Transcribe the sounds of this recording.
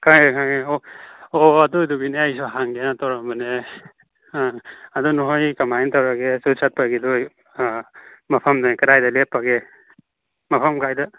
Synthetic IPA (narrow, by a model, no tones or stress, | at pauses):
kʰaŋekʰaŋeooɐduduɡineajsuɦaŋɡenatawɾambɯne | ɐdunuɦojkamajntawɾaɡesusat̚paɡidoj | mɐpʰɐmnajkɐɾajdɐlepːaɡe | mɐpʰɐmkajdɐ